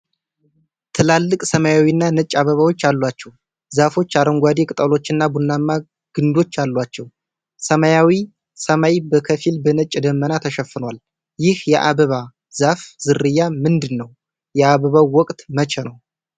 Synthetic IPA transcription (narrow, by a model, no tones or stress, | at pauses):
t̪ʰɨlalːɨkʼsəmajawinːanɨt͡ʃʼːaβəβawo̞t͡ʃːalːwat͡ʃːɛw | zafo̞t͡ʃːaɾəŋɡʷad̪ekʼɨt̪ʼəlo̞t͡ʃːɨnːabunːamːa | ɡ̥ɨnd̪o̞t͡ʃːalːwat͡ʃːɛw | səmajawi | səmajibəkʰəfilbənət͡ʃʼːd̪əmːənat̪ʰəʃɛfːɨnwal | jɪhjɛʔa̰βəβa | zafzɨrɨjːamɨnd̪ɨnːəw | jɛaβəβawwɔkʼt̪mət͡ʃʰɛnəw